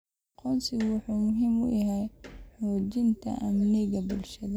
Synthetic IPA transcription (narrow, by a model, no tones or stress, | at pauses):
qʰɔnsɪɣwʊħuːmʊɦiːmʊ̰jɦɛjħoːt͡ʃɪnt̪ʰɐ̰ʔɐmnɪɣɐbʊlʃɐðɐ